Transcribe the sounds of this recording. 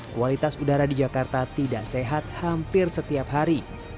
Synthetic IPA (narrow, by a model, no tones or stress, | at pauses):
kualit̪asudaɾadid͡ʒakart̪at̪idaʔseɦat̪̚hampɪrsət̪iapɦaɾi